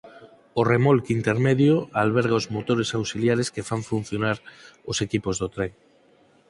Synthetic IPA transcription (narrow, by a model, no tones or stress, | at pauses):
oremolkint̪eɾmeðjoalβ̞eɾɣaozmot̪oɾesawsiljaɾeskefaɱfun̟θjonaɾosekipozðot̪ɾeŋ